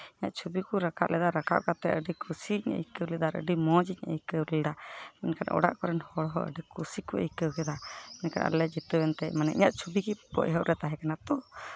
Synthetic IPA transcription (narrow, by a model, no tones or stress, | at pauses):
iɲa̰ʔt͡ʃʰubikuɾakʰaʔlʔɛd̪aɾaka̰ʔkat̪ɛʔəɖikʰusiɲə̰jkəwlɛd̪aɾə̰ɖimɔd͡ʒiə̰jkəwlɛd̪aɛnkanʔɔ̰ɽa̰ʔkɔɾɛnhɔɽɦɔʔə̰ɖikusikuʔə̰jkəwkɛd̪aɛnka̰nʔa̰lɛd͡ʒit̪əwɛnt̪ɛmanɛ̰ʔḭɲaʔt͡ʃʰubikibɔ̰ʔɦɔʔɾɛt̪aɦɛkanat̪ɔ